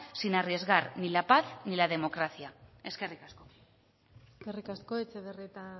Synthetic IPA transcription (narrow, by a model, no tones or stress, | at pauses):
sinarie̞zɣarnilapaθnilað̞e̞mo̞kɾaθiae̞ske̞rikasko̞ | eskerikasko̞et͡seβeriet̪a